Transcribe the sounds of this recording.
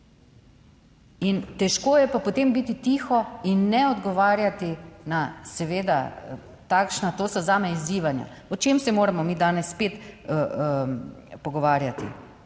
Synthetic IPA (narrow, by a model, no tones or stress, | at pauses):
int̪ɛʃkoːjɛpapot̪eːmbit̪it̪iːxɔinːɛɔd̪ɡɔʋaːɾjat̪inasɛʋeːd̪a̰ | t̪akʃnat̪oːsɔzaːmɛiziːʋanja̰ | ɔt͡ʃemsɛmoːɾamɔmiːd̪aːnɛsːpeːt̪ | pɔɡɔʋaːɾjat̪ḭ